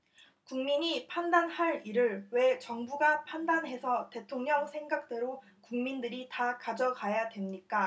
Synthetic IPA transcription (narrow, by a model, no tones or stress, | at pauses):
kuŋmiɲipʰandanhaɾiɾɯɭwe̞t͡ɕʌŋbuɡapʰandanɦe̞sʰʌte̞tʰoŋɲʌŋsʰe̞ŋɡak̚t͈e̞ɾo | kuŋmindɯɾitakad͡ʑʌkajadwe̞mɲik͈a